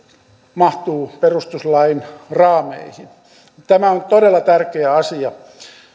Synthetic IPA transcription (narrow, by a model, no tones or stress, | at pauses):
mɑht̪uːperust̪uslɑinrɑːmḛihin | t̪æmæont̪odelːɑt̪ærkeæɑsiɑ